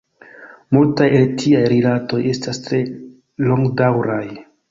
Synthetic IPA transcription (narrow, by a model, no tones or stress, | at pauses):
multajeltʰiajɾilato̞je̞stastɾe̞ | lo̞ŋɡdawɾaj